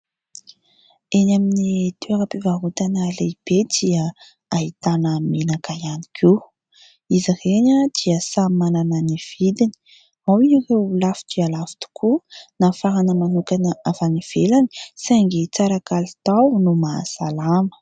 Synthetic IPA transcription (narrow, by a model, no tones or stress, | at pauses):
enaminit̪eeŋapivaɦut̪analeb̥ed̪iə | aɦit̪anəmenakaianikʰi | izireɲad̪̥iəsamanananiv̥id̪ini̥ | mawiɲirewulafi̥t̪ialafi̥t̪u̥kʰunafaɦanəmanukanəʔavaniv̥elani̥saŋɡet͡saɾakalit̪awnuma̰salamə̥